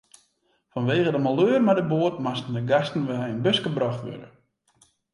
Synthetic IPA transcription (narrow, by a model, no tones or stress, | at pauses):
fɔnʋeːɣədəmaløːərmadəboərtmastən̩dəɡastn̩ʋɛjənbøskəbrɔxtʋø̰də̰